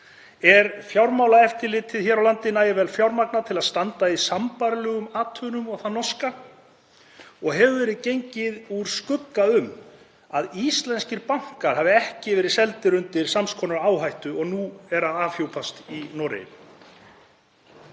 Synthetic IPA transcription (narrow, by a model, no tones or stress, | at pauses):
ɛɾfjawɾmawlaɛft̪ɪɾlɪt̪ʰɪðçɛɾawlant̪ɪnaːjɪvɛlfjawɾmak̚nat̪ʰɪlaðst̪ant̪aisampaɾlœːɣʏmaːt̪ʰœnʏmɔɣθanɔska | ɔɣɦɛvʏvɛːɾɪðcejɲcɪðuɾ̥skʏkːaʏm | aðist̪lɛnscɪɾpaŋ̥kaɾ̥haːvɪɛhcɪvɛːɾɪðsɛlt̪ɪɾʏnt̪ɪɾ̥samskʰɔːnaɾaːwɦajht̪ʏɔɣnuɛɾaaːfjowpʰast̪inɔːɾɪ̰jɪ̰n